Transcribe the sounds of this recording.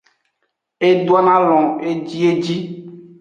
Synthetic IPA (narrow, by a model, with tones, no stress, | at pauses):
e˦d̪u˦a˦nã˦lɔ̃˨e˦d͡ʒi˦e˦d͡ʑi˦